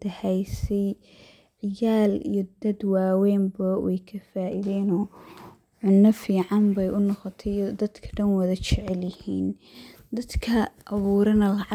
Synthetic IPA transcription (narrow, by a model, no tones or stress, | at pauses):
d̪ɐhɛjsɛj | ʕɪjaːlḭjɞd̪ɐd̪waːwɛːmbɐwɛ̰jkʰɐfaːʔɪðɛːnɔː | ʕʊnːɐfiːʕɑmbɛjʔʊnɔqɔt̪ʰɛjd̪ɐd̪kʰɐ̥ɖɐnwɐðɐt͡ʃʰɛʕɛljɪhiːn | d̪ɐd̪kʰɐʔɐβuːɾɐnɐlɐʕɑ